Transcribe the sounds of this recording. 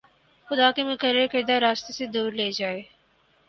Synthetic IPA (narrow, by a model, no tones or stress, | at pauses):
xʊd̪akemẽkəɾekɪɾd̪aɾaːst̪esed̪uːɾleːd͡ʒaːeː